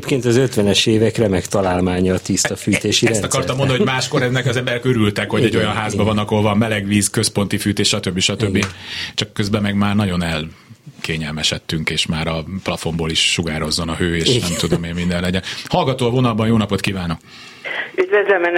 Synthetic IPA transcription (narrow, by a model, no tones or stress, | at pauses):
pkeːnt̪ɒzø̞t̪ʋɛnɛʃeːvɛkrɛmɛkt̪ɒlaːlmaːɲɒːt̪ist̪ɒfyːt̪eːʃiɛsɒkɒrt̪ɒmːond̪nɦomaːʃko̞ɾɛnːɛkɒzɛmbɛɾɛkøɾylt̪ɛkho̞ɟɛɟːo̞jɒnɦaːzbɒvɒnːɒkolvɒmmɛlɛɡʋiːskøspo̞nt̪ifyːt̪eːʃɒt̪øbːiʃɒt̪øbːit͡ʃɒkːøzbɛmɛɡmaːrnɒɟo̞nɛlkeːɲɛlmɛʃɛt̪ːyŋkeːʃmaːɾɒplɒfo̞mboːliʃːuɡaːɾo̞zːonɒɦøːeːʃnɛmt̪ud̪omeːnmind̪ɛnlɛɟɛnhɒlɡɒt̪oːɒvo̞nɒlbɒnjoːnɒpo̞t̪kiːvaːno̞k̚ | yd̪vɛzɛmɛn